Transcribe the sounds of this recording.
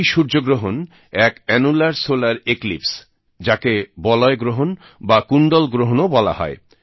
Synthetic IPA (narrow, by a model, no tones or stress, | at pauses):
jʃuɾd͡ʑoɡɾoɦon | ɛkɛnulaɾsolaɾeklips | d͡ʑakebɔlɔeɡɾoɦon | bakuɳɖolɡɾoɦonobɔla̰ɦɔ̰e